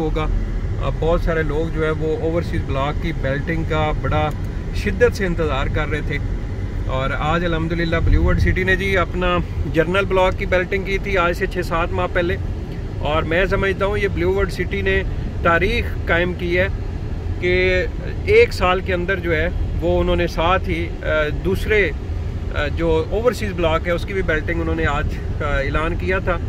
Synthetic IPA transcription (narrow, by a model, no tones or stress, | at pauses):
ɦoːɡaː | bɔːt̪saːɾeloːɡd͡ʒoːɦɛ̃ːʋooːʋəɾsiːzblaːkːibɛːlʈɪ̃ŋɡkabɐɽa | ʃɪd̪ːət̪seɪ̃nt̪əzaːɾkɐɾːəɦet̪ʰeː | ɔːɾaːd͡ʒəlɦəmd̪ʊlɪlːaːbluːʋəɾɖsɪʈined͡ʒiːəpnaːd͡ʒəɾnəlblɔːkːibɛːlʈɪ̃ŋɡkiːt̪ʰiaːd͡ʒset͡ʃʰeːsaːt̪mãːpɛːleː | ɔːɾmɛ̃ːs̬əməd͡ʒt̪aːɦũjeːbluːʋəɾɖsɪʈinẽt̪aːɾiːxkaːɪmkiːɦɛː | ke | eːksaːlkeə̃nd̪əɾd͡ʒoːɛːʋoːʊnɦõːnesaːt̪ʰi | d̪uːsɾe | d͡ʒoːoːʋəɾsiːzblɔːkɦɛːʊskibʱibɛːlʈɪ̃ŋɡʊnɦõːneaːd͡ʒ | kaeːlaːnkijat̪ʰaː